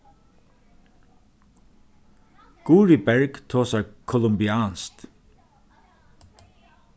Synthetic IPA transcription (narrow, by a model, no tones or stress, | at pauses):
ɡ̥uːɹibæɹɡt̪ʰoːsækʰɔlʊmbɪɑːnst̪